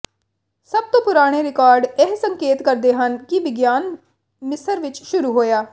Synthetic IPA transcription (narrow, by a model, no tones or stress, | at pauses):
səb̚t̪õːpʊɾaːɽ̃eːɾɪkaːɾɖɪɦsəŋkeːt̪kəɾd̪eːɦənkɪʋɪɡjaːn | mɪsəɾʋɪt͡ʃʃʊɾuːɦoːjaː